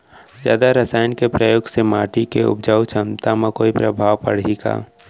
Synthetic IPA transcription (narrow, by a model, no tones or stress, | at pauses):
zja̰ːd̪aɾəsaːjnkepɾəjoːɡsemaːʈikeʊ̰b̚d͡ʒaːwt͡ʃʰəmt̪amakoːipɾəbʱaːʋpəɽ̤iɡa̰ː